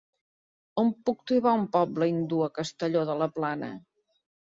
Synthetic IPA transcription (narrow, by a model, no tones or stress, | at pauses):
ompuk̚t̪uβaumpɔbləind̪uəkəst̪əʎoðələplanə̰